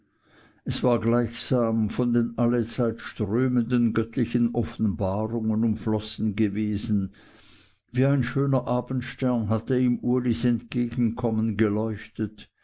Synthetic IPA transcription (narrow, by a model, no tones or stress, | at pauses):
ʔɛsv̥aːɐɡlaɪçsaːmfɔndeːnʔalət͡saɪtʃtʁøːməndənɡœtʰlɪçənʔɔfn̩baːʁʊŋənʊmflɔsn̩ɡəveːzn̩ | viːaɪnʃøːnɐʔaːbn̩tʃtɛɐnɦatəiːmʔuɐlisɛntɡ̥eːɡn̩kʰɔmənɡəlɔʏçtət